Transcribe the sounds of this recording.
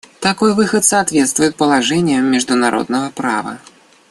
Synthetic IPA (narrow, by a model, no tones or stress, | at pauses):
t̪akɔjvɨxət̪sɐːt̪vʲɛt̪st̪vʊjɪt̪̚pəlˠaʐɛnʲɪjəmʲːɪʐd̪ʊnaɾʔɔ̰d̪̚nəvəpɾa̰vɐ̰